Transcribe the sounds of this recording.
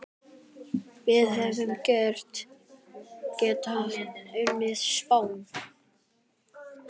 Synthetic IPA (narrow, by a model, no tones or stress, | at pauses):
vɪðɦɛvʏmcœr̥t̪ | cɛːt̪hanʏnːɪð̥spaːwn